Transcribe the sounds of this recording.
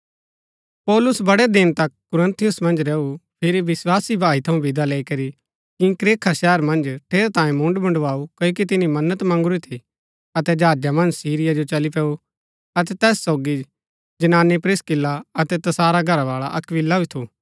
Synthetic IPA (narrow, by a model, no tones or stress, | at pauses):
pɔːlʊsbɐɽɛd̪ɪnt̪ɐkːʊɾə̃nt̪ʰijʊsmɐ̃nd͡ʒɾɛːupʰɪɾiʋɪswaːsibʱaːit̪ʰɐũbɪd̪alɛːikɐɾi | kikɾeːkʰaʃɛːəɾmɐ̃nd͡ʒʈʰeːɾat̪ãːĩmʊ̃ɳɖbɐ̃ɳɖʋaːukɐjok̬it̪ɪnimɐnːət̪mɐ̃ŋɡʊɾit̪ʰi | ɐt̪ɛd͡ʒaːd͡ʒjamɐ̃nd͡ʒsiːɾɪjad͡ʒot͡ʃɐlipɛːu | ɐt̪ɛt̪ɛːsːoːɡi | d͡ʒɐnaːnipɾɪskɪlːaɐt̪ɛt̪ɐsaːɾaɡʱɐɾaʋaːɭaʔɐkʋɪlːait̪ʰuː